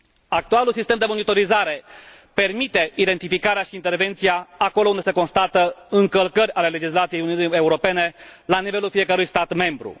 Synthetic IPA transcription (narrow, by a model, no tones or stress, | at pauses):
ak̚t̪ualulsist̪e̞md̪e̞mo̞nit̪o̞ɾizaɾe̞ | pe̞rmit̪e̞id̪e̞nt̪ifikaɾeaʃiːnt̪e̞rve̞nt̪siaako̞lound̪e̞se̞ko̞nst̪at̪əɨŋkəlkərʲale̞le̞d͡ʒislat̪sijejuniunie̞uɾo̞pe̞ne̞lanive̞lulfije̞kəɾujst̪at̪me̞mbɾṵ